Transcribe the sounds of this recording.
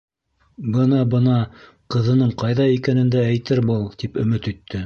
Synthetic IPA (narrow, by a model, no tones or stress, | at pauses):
bɤnɑbɤnɑ | qɤ̆ðɤ̆nɤɴqɑjðɑikænɘ̆nd̪æːjt̪ɘɾbɤlˠt̪ipɵ̆mɘt̪ɵ̆t̪ʰːɘ